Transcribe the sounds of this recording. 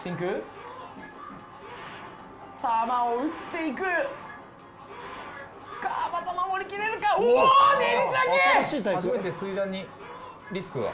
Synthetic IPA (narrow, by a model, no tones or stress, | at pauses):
ɕĩŋkɯ̟ | t̪amaoɯ̟t̪ːe̞ikɯ̟ | kamat̪amamoɾʲikʲiɾeɾɯ̟kaod̪ed͡ʑaɲeɕiːt̪aaime̞t̪esɨidãɲ̟ːi | ɾʲisɨ̥kɯɡa̰